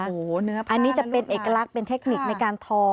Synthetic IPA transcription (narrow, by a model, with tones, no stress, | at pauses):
o˨˩nɯ˦˥ɐʔa˧nːiː˦˥t͡ɕa˨˩pe˧nʔeː˨˩kːa˧la˦˥k̚pe˧nt̪ʰe˦˥k̚ni˨˩k̚na˧jkaː˧nt̪ʰɔː˧